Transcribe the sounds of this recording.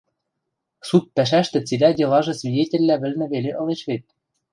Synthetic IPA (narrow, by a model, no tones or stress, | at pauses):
sut̪̚pæʃ̬æʃt̪ɘ̆t͡silʲædʲelɑʒɤ̆svʲidʲetʲɘ̆lʲːæβɘ̆lnɘ̆βeleʔɤ̆leʃβet̪̚